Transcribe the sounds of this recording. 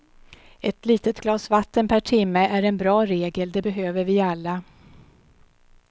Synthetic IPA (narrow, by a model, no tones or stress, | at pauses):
ɛt̪liːt̪ət̪ɡlɑːsvat̪ːənpʰæʈʰɪmːəʔæɾɛnbɾɑːɾeːɡəld̪ɛbɛɦøːvəɾvɪalːa